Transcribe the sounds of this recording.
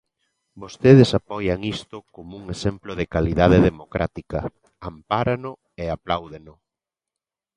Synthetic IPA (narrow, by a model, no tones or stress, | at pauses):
bost̪eðesapɔjaŋist̪ʊkomuŋesemploðɪkaliðaðeðemokɾʔa̰t̪ikɐ | ampaɾanʊ | eaplawðenʊ